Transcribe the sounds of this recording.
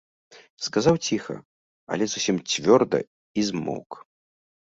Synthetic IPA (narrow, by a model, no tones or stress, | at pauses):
skazawt͡sʲixɐ̰ | a̰lʲɛzusʲimt͡sʲvʲɔrd̪ɐ̰ | izmɔ̰wk